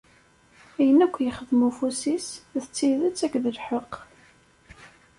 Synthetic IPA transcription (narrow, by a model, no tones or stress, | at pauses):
æjənækʷːjəχəðmufusisðət͡sːiðət͡sːækːðəlħəqː